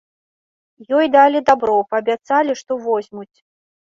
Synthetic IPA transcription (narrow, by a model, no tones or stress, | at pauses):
jɔjd̪alʲid̪abɾɔpɐːbʲat̪salʲiʂt̪ɔvɔzʲmut͡sʲ